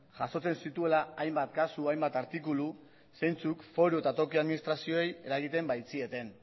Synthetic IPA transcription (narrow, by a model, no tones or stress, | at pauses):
ʝaso̞t͡se̞nsit̪ue̞laajmbat̪kasuajmbat̪aɾt̪ikulu | se̞jnt͡sukfo̞ɾue̞t̪at̪o̞kiaðminist̪ɾasio̞eje̞ɾaɣit̪e̞mbajt͡sie̞t̪e̞n